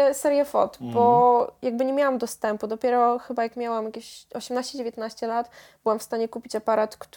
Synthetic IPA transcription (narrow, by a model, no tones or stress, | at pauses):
ɛsɛɾjɛfɔ̰t̪bɔjaɡ̚bɘɲɛmʲjawamd̪ɔst̪ɛmpud̪ɔpʲjɛɾɔxɘbajakmʲjawamjakʲeɕɔɕɛmnaɕt͡ɕɛd͡ʑevʲjɛt̪naɕt͡ɕɛlat̪b̥ɘwamfst̪aɲɛkupʲit͡ɕapaɾat̪kt̪